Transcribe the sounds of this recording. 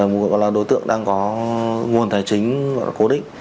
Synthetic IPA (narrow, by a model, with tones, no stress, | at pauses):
ɔ̰˨˧˨jɣɔ̰˧˨laː˨˩ɗo˨˦jt̪ɨ̰˧˨əŋɗaː˧ŋkɔ˨˦ŋu˨˩ənt̪ʰaː˨˩jt͡ɕï˨˦ŋ̟va̰˧˨lːko˨˦ɗï˧˨ŋ̟